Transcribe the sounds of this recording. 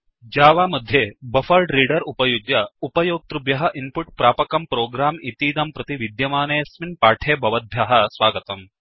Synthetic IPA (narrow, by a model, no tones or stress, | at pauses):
d͡ʒaːʋaːmɐd̪ʱjeːbɐfɐɾɖɾiːɖɐɾupɐjuɡjɐupɐjoːɡ̚t̪ɾubjɐɦɐʔimpuʈ̚pɾaːpɐkɐmpɾoːɡɾaːmit̪iːd̪ɐmpɾɐt̪iʋid̪jɐmaːneːsminpaːʈʰeːbʱɐʋɐd̪̚bʱjaɦɐ̆sʋaːɡɐt̪ɐm